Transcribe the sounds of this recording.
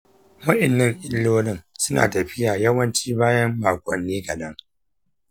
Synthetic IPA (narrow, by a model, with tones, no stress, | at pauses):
wɐ˦ʔɪ˨nːɐ˦˨ŋʔɪ˦lːoː˦nɪ˦˨ŋsʊ˦na̰ː˨tɐ˨ɸɪ˦jaː˨jɐ˦wɐ˦nt͡ʃiː˦baː˦jɐ˦mːaː˨kʷʼɔ˨nːeː˦ɡɐ˨dɐ˦ŋ